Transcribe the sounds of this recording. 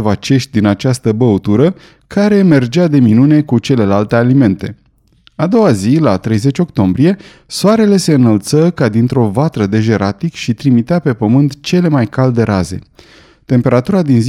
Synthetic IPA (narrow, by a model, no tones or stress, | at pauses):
vat͡ʃe̞ʃt̪̚ʲd̪inat͡ʃast̪əbəut̪uɾə | kaɾe̞me̞rd͡ʒead̪e̞minune̞kut͡ʃe̞le̞lalt̪e̞alime̞nt̪e̞̰ | ad̪o̞wazilat̪ɾe̞jze̞t͡ʃʲo̞kt̪o̞mbɾie̞ | soaɾe̞le̞se̞ɨnəlt̪səkad̪int̪ɾo̞vat̪ɾəd̪e̞ʒe̞ɾat̪ikʃit̪ɾimit̪eape̞pəmɨnt̪t͡ʃe̞le̞majkald̪e̞ɾaze̞̰ | t̪e̞mpe̞ɾat̪uɾad̪inz